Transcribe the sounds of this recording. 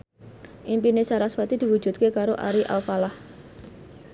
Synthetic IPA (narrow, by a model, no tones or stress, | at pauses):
ʔimpinesaɾaswat̪id̪̥i̤wu̥ʒ̥ṳt̪̚kekaɾoʔa̰ɾiʔa̰lfalah